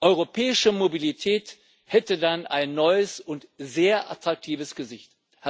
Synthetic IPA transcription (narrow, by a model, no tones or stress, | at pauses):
ʔɔʏʁopʰɛːɪʃəmobilitʰɛːt | hɛtədanʔa̰ɪnːɔʏəsʊntzeːɐʔa̰tʁ̥ak̚tʰiːvəsɡ̥əzɪçt | h